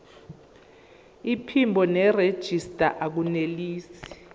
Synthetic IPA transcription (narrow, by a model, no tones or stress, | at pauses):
ipʰimbʱɔnɛred̥ʒ̥ʱistʼa̰ʔak̬uneliːsi̥